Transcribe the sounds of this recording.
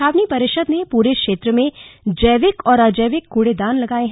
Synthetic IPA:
aːʋnipɐɾɪʃəd̪nepuːɾekʃeːt̪ɾəmẽd͡ʒəjʋɪkɔːɾad͡ʒəːʋɪkːuːɽed̪aːnlɐɡaːeɦ

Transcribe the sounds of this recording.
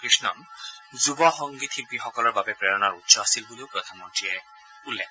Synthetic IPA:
kɹisnɔ̰nzubɔxɔŋɡit̪ʰipixɔkɔlɔɹbabɛpɹɛɹɔnaɹutːsɔasilbuleʊpɹɔt̪ʰɔmɔntɹijɛ | ulːɛkʰ

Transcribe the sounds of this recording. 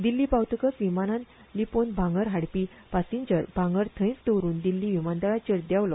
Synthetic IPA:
d̪ilːiːpawt̪əkəsʋimanãn | liponbʱãŋɡəɾɦaɽpi | pasiɲd͡ʑəɾbʱãŋɡəɾt̪ʰə̃j̃t͡st̪əwɾuːnd̪ilːiʋimand̪aɭat͡ɕeɾd̪jawlɔ

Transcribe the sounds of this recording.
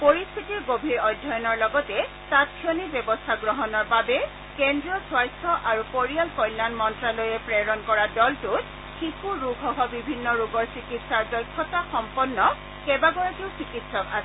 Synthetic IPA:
poɹist̪ʰitiɡobʱiɹɔjdʱːɔjɔnɔɹlɔɡɔtɛ | tatpʰiɔnibjɔbɔstʰaɡɹɔɦɔnɔɹbabɛ | kɛndɹiɔswajsʰɔʔaɹupoɹijalkɔjlːanmɔntɹalɔjɛpɹɛɹɔnkɔɹadɔltut | xikuɹuɡʱɔɦɔbibʱinːɔɹuɡɔɹsikitsaɹdɔjkʰːɔtaxɔmpɔnːɔ | kɛbaɡɔɹakiʊsɹikitsɔka̰sɛ

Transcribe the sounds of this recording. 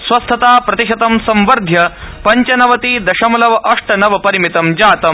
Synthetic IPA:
sʋɐst̪ʰɐt̪aːpɾɐt̪iʂɐt̪ɐmsɐmʋɐɾd̪ʱjɐpɐɲt͡ʃɐnɐʋɐt̪iːd̪ɐʃɐmɐlɐʋɐʔɐʂʈɐnɐʋɐpɐɾimit̪ɐmd͡ʒaːt̪ɐm

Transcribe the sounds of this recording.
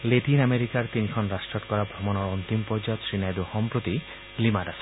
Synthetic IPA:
leʈinameɾikaɾt̪inikʰɔnɾasʈɔt̪kɔɾabʱɾɔmɔnɔɾɔnt̪impɔɾd͡ʒaɔt̪sɹinajdoxɔmpɾot̪i | limadasɔ̥

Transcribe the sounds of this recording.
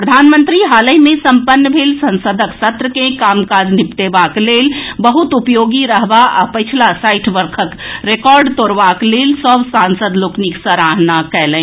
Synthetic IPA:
pɾəd̪ʱanmənt̪ɾiɦaləjmẽsəmpənːəbʱelsə̃nsəd̪ʱəksət̪ɾəkẽkamkad͡ʒnipt̪ebaklelbəɦut̪upjoɡiɾəɦbaʔa̰pəjt͡ʃʰilasajʈʰʋəɾkʰəkɾekɔɾɖt̪oɾbaklelsəbsansəd̪lokniksəɾaɦnakɛlə̃

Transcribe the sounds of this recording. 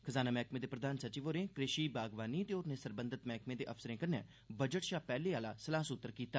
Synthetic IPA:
kʰəzaːnaːmɛːkmẽːd̪eːpɾəd̪aːnsət͡ʃiːʋoːɾẽːkɾɪʃiːbaːɡʋaːniːət̪eːʊɾnẽːsəɾbə̃nd̪ət̪mɛːkmẽːd̪eːʔəfsəɾẽːkəɾnɛ̰ː | bəd͡ʒəʈʃaːpɛːleːaːlaːsəlaːsʊt̪ːəɾkiːt̪aː

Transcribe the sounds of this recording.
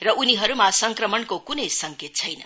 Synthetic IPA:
rʌʔuniɦʌɾumasʌŋkrʌmʌnkokunʌjsʌŋket̪̚t͡sʰʌjnʌ

